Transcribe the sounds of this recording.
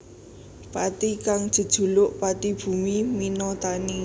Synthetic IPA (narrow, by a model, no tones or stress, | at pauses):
pat̪ikaŋd̥ʒ̥ə̤d̥ʒ̥ṳlʊʔpat̪ib̥ṳmiminɔt̪ani